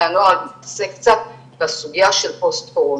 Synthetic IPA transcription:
anoasekt͡sa | b̥asuɡijaʃelpost̪ko

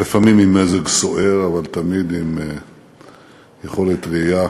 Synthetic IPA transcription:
lefamimimezeɡsoʔeʁavalt̪amid̪im | jeχo̞let̪ʁija

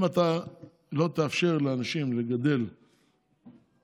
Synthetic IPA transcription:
mat̪a | lo̞t̪eafʃe̞ʁleanaʃimleɡad̪e̞l

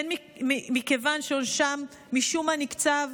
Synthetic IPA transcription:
enmiimikevanʃeonʃamː | iʃumanikt͡sav

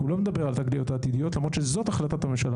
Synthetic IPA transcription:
ulomed̪abe̞ʁalt̪aɡliot̪aːt̪id̪ijo̞t̪lamʁod̪ʃezo̞t̪aχlatatamemʃala

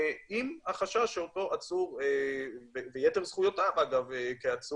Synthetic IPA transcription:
imaχaʃaʃeoto̞ʔat͡suʁevevejeteʁz̥χujotavaɡavekeat͡su

